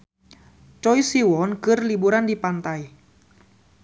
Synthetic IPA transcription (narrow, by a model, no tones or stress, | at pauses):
t͡ʃɔisiwɔnkɨrlibuɾandipant̪ai